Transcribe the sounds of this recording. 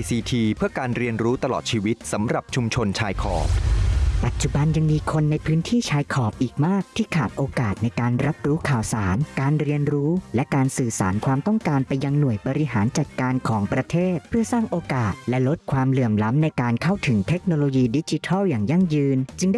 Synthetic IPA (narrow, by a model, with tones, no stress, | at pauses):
siː˧t̪ʰiː˧pʰɯ˥˩əkaː˧nɾi˧ənɾuː˦˥t̪a˧lɔ̰ː˨˩t̪̚t͡ɕʰiː˧wi˦˥t̪̚sa˩˦mɾa˨˩p̚t͡ɕʰu˧mt͡ɕʰo˧nt͡ɕʰaː˧jkʰɔ̰ː˨˩p̚pa˨˩t̪̚t͡ɕu˨˩ba˧nja˧ŋmiː˧kʰo˧nːa˧jpʰɯː˦˥nt̪ʰiː˥˩t͡ɕʰaː˧jkʰɔː˨˩p̚ʔiː˨˩k̚maː˥˩k̚t̪ʰiː˥˩kʰaː˨˩t̪̚ʔoː˧kaː˨˩t̪̚na˧jkaː˧nɾa˦˥p̚ɾuː˦˥kʰaː˨˩wsaː˩˦nkaː˧nɾi˧ənɾuː˦˥lɛ˦˥kaː˧nsɯː˨˩sa̰ː˩˦nkʰwaː˧mt̪ɔ˥˩ŋkaː˧npa˧jːa˧ŋnu˨˩əjbɔː˧ɾi˦˥ɦaː˩˦nt͡ɕa˨˩t̪̚kaː˧nkʰɔː˩˦ŋpɾa˧t̪ʰeː˥˩t̪̚pʰɯ˥˩ɐsaː˥˩ŋʔoː˧kaː˨˩t̪̚lɛ˦˥lo˦˥t̪̚kʰwaː˧mlɯ˨˩əmla˦˥mna˧jkaː˧nkʰa˥˩wt̪ʰɯ˩˦ŋt̪ʰe˦˥k̚noː˧loː˧jiː˧di˦˥t͡ɕi˧˥t̪ʰɔː˥˩wjaː˨˩ŋja˥˩ŋjɯː˧nt͡ɕɯ˧ŋda˥